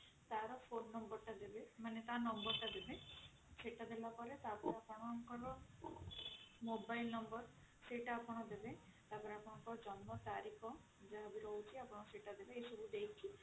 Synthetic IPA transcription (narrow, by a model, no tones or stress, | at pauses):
t̪aɾɔpʰonːɔmbɔɾʈad̪ebemanet̪anɔmbɔɾʈad̪ebe | t͡ʃʰeʈad̪elapɔɾet̪apɔɾeapɔɽ̃ɔŋkɔɾɔ | mobajlnɔmbɔɾ | seʈaːpɔɽ̃ɔd̪ebet̪apɔɾeapɔɽ̃ɔŋkɔɾɔd͡ʒɔnmɔt̪aɾikʰɔ | d͡ʒaɦabiɾowt͡ʃʰiapɔɽ̃ɔseʈad̪ebeesɔbʱud̪ejkʰi